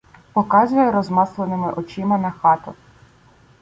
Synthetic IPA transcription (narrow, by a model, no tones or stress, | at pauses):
pɔkɑzʊjɛɾɔzmɑslˠenɪmɪʔɔt͡ʃɪmɐnɐxɑt̪ʊ